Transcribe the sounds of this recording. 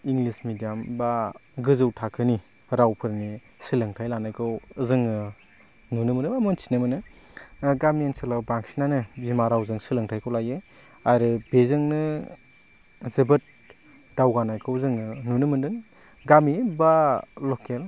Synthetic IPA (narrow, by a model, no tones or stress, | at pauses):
iŋlismidijambaɡɯzɯwtʰakʰɯni | ɾawpʰɯɾni | sɯlɯŋtʰajlanajkʰɯwzɯŋɯ | nunɯmɯnɯbamɯnt͡ʃʰi̥nɯmɯnɯ | ɡamiensɯlawbaŋsinanɯzimaɾawzɯŋsɯlɯŋtʰajkʰɔwlaje | aɾɯb̥ezɯŋnɯ | zɯbɯt̚ | dawɡanajkʰɯwzɯŋɯnunɯmɯndɯŋ | ɡamibalɔkel